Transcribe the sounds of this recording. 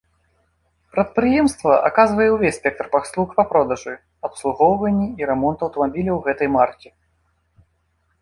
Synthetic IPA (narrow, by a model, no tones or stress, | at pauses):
pɾɐt̪̚pɾɨjɛmst̪vɐʔa̰kazvɐjɛwvʲesʲsʲpʲɛk̚t̪rpɐslˠuxpɐpɾɔd̪ɐʐɨ | ɐpslˠuɣɔwvɐnʲːiiɾɛmɔnt̪ɐwt̪ɐmabʲilʲɐwɣɛt̪ɐjmartʲɛ